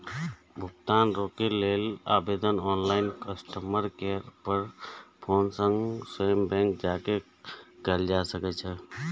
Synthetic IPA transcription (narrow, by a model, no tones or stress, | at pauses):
bʱʊkt̪aːnɾokeleːla̰ːbeːd̪ənɔːnlaːɪnkəsʈəməɾkeɾpəɾpʰoːnsə̃ŋɡsəjəmbɛ̃ːŋk̚d͡ʒaːke | kəld͡ʒasəkɛt͡ʃʰɛ